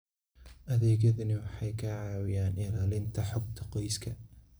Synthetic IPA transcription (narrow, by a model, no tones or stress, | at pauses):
ʔɐðɛːɣɐðɐnɪwɑħɑjkʰɐʕɑːwɪjaːnɪlaːlɪnt̪ʰɐħʊɡ̚t̪ʰɐqɔjskʰɐ